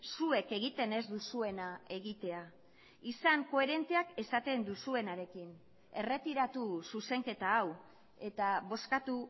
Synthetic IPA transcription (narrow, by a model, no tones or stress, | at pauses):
sue̞ke̞ɣit̪e̞ne̞zd̪usue̞nae̞ɣit̪e̞a | isaŋko̞e̞ɾe̞nt̪e̞ake̞sat̪e̞nd̪usue̞naɾe̞kin | e̞re̞t̪iɾat̪ususe̞ŋke̞t̪aːw | e̞t̪aβo̞skat̪u